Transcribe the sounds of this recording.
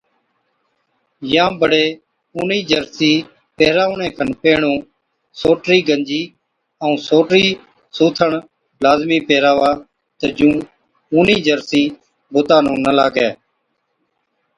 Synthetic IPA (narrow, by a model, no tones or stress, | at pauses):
jãːbəɽeː | uːniːd͡ʒəɾsiː | peːɾaːʋɳẽːkʰənpeːɳũː | soːʈɾiːɡəɲd͡ʒiː | əũːsoːʈɾiː | suːt̪ʰəɳ | laːzmiːpeːɾaːʋaː | t̪əd͡ʒũː | uːniːd͡ʒəɾsĩː | bʊt̪ãːnũːnəlaːɡɛː